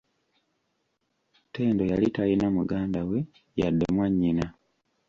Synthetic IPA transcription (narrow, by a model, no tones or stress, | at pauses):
te̞ːndo̞jalitajinamuɡaːndawe̞ | ja̰dːḛmwaɲːina